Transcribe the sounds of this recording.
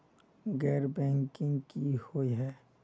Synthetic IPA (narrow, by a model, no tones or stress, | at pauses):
ɡɛːɾbɛ̃ːŋkɪ̃ŋɡkihoiɦɛː